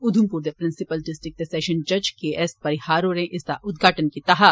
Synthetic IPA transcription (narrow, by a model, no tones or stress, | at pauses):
ʊd̪ʱumpuːɾd̪epɾɪ̃nsɪpəlɖɪsʈɾɪk̚t̪sɛːʃə̃nd͡ʒɐd͡ʒkeʔɛspɐɾɪhaːɾoɾẽʔɪst̪aʔʊd̪ɡʱaːʈənkit̪ɐɦa